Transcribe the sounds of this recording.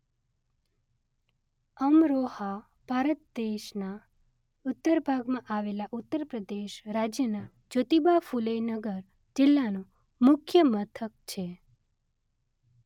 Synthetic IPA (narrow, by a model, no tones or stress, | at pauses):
əmɾoha | b̥ʱaɾət̪̚d̪eʃna | ʊt̪ːəɾbʱaɡmãʔaʋelaʔʊt̪ːəɾpɾəd̪eʃɾad͡ʒjəna | d͡ʒot̪ibafuləjnəɡəɾ | d͡ʒɪlːanũ | mʊkʰjəmət̪ʰək̚t͡ʃʰe